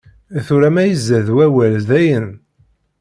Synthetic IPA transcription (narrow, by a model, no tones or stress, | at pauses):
θuɾæmæjəzːæðwæwælðæjən